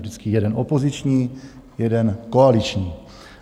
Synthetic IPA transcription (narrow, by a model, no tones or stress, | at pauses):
dɪt͡skɪjɛdɛnʔopo̞zɪt͡ʃɲiː | jɛdɛnkoalɪt͡ʃɲiː